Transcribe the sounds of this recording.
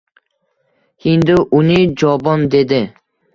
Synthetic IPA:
hɪnd̪ʊʔʊnɪd͡ʒɒbɒnd̪e̞d̪ɪ

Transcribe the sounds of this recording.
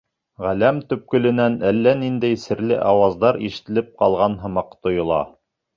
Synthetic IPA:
ʁælæmt̪ɵ̆p̚kɵ̆lɘ̆nænælːænind̪æjsɘ̆ɾlɘ̰ʔɑwɑzd̪ɑɾiʃɘ̥̆t̪ɘ̆lɘp̚qɑlˠʁɑnɦɤ̆mɑqt̪ŏjŏlˠɑ̰

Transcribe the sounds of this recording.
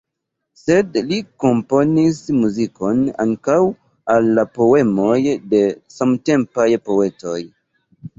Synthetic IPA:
se̞dliko̞mpo̞nismuziko̞na̰ŋkaw | alːapo̞e̞mo̞jde̞samte̞mpajpo̞e̞to̞j

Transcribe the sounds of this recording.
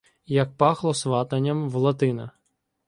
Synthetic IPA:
jɐk̚pɑxlˠɔsʋɑt̪ɐnʲːɐmʋlˠɐt̪ɪnɐ

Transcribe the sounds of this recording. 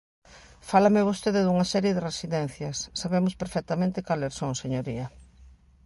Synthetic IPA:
falamɪβost̪eðɪðuŋɐsɛɾjeðɪresiðɛn̟θjɐsːaβemʊspeɾfɛk̚t̪amẽnt̪ɪkaleɾsõŋseɲoɾiɐ

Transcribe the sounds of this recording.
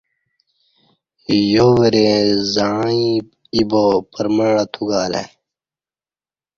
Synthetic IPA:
joːweɾezaːi | ibopəɾməɳat̪ʰuɡaːlḛ

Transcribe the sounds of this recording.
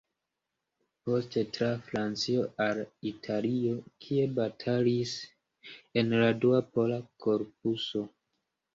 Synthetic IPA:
po̞ste̞tɾafɾant͡sio̞ʔalitʰalio̞kʰie̞batʰalis | e̞nladuapo̞lakʰo̞ɾp̚uso̞

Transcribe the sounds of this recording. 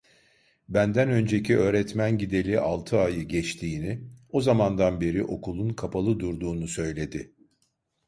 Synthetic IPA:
bænd̪ænø̞nd͡ʒe̞cʰiø̞ːɾɛt̪mænɟid̪e̞lʲiʔalˠt̪ʰɯajɯɟɛt͡ʃt̪ʰiːnɪo̞zamand̪anbe̞ɾiʔo̞kulˠunkʰapʰalˠɯd̪uɾd̪uːnusø̞jlʲe̞d̪ɪ

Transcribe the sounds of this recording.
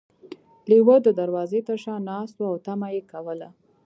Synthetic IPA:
liwəd̪əd̪aɾwɑzet̪əɾʃɑnɑst̪oawt̪amajekawəla

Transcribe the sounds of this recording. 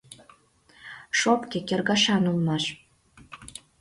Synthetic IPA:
ʃopkʲĕkʲĕrɡɑʃɑnulˠmɑʃ

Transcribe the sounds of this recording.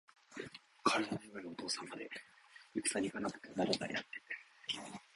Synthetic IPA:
kʰaɾɯ̟d̪anaiβaɾɯot̪o̞ːsãmːad̪e̞jɯki̥saɲʲikanakɯ̟̥t̪enaɾat̪a̰ḭa̰t̪ːe

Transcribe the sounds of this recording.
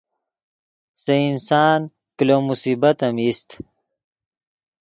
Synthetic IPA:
seinsaːn | kilomusiːbɐt̪ɐmist̪

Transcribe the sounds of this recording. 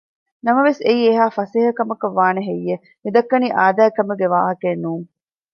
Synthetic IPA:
nɐmɐʋeseiːeɦaːfɐseːɦɐkɐmɐkɐʋːaːneɦejːe | mid̪ɐkːɐniːʔaːd̪æːkɐmɐɡeʋaːɦɐkenːuːŋ

